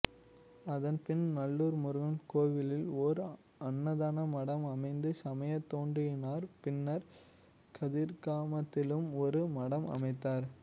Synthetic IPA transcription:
ɐðɐnpɪnnɐlːuːɾmʊɾʊɣɐmkoːʋɪlɪlɔɾ | ɐnːɐðaːnɐmɐɽɐmɐmɐɪnd̪ɯsɐmɐjɐt̪ːoːndrɪjɪnaːɾpɪnːɐɾ | kʰɐðiːɾkaːmɐt̪ːɪlɯmɔɾɯmɐɽɐmɐ̰mɐɪt̪ːaːɾ

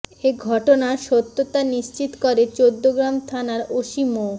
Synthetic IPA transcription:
eɡʱɔʈonaɾʃot̪ːot̪aniʃt͡ɕit̪koɾet͡ɕod̪ːoɡɾamt̪ʰanaɾoʃimo

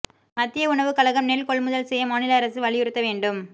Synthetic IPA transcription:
mɐt̪ːɪjɐʊɳɐʋɯkɐlɐɣɐmnɛlkɔɭmʊðɐlsɛjɐmaːnɪlɐːɾɐsɯʋɐɭɪjɪɾɯt̪ːɐʋeːɳɖɯm

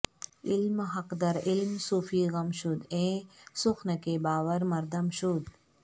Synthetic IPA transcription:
ɪlmɦɐqd̪ɐɾɪlmsuːfʰiːɣɐmʃud̪ẽːsʊxnəkeːbaːʋəɾmɐɾd̪ɐmʃud̪

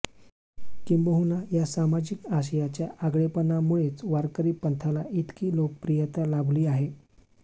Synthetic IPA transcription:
kimbəɦunajasamad͡ʑikaɕ̬əjat͡ɕjaʔaɡɭepənamuɭet͡sʋaɾkəɾiːpənt̪ʰalait̪kiːlok̚pɾijət̪alabliːaɦe

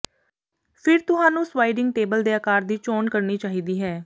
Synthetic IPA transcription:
pʰɪɾt̪ʊɦãːnũːswaːɪɖɪŋɡʈeːbəld̪eːəkaːɾd̪iːt͡ʃɔːnkəɾniːt͡ʃaːɦiːd̪iːɦɛː

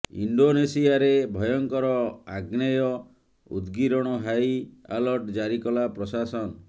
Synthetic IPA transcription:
ḭɳɖonesiaɾebʱɔjɔŋkɔɾɔaɡnajɔ | ṵd̪ɡiɾɔɽ̃ɔɦaja̰lɔɾʈd͡ʒaɾikɔlapɾɔsasɔn

